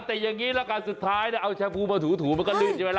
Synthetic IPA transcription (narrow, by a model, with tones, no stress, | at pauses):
t̪ɛː˨˩ja˨˩ŋːiː˦˥lɛ˦˥kaː˧nsu˨˩t̪ʰːaː˦˥˩jni˥˩ʔa˧wt͡ɕʰɛː˧pʰuː˧˩maː˧˩t̪ʰuː˩˦t̪ʰuː˩˦ma˧nkɔ˥˩lɯː˧˩nt͡ɕaː˨˩weː˧l